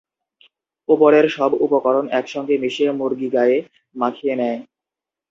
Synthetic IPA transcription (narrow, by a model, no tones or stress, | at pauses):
opoɾeɾʃɔbupokɔɾonɛkʃɔŋɡemiʃeɾmoɾɡiɡaje | makʰienɛe